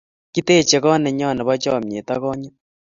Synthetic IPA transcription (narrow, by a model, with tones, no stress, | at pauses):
ki˦te˦˨t͡ʃe˨ɣɔ˦nɛ˨ɲɔ˦˨nɛ˨βa˦t͡ʃɔ˦˨m˨e˨ta˦ɣɔ˦ɲa˦